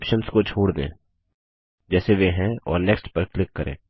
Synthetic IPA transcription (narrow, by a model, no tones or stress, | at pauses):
pʃənskot͡ʃʰoːɽd̪ḛ̃ː | d͡ʒɛːseʋeɦɛ̃ɔ̰ːɾnɛːksʈpəɾklɪkːəɾʔḛ̃ː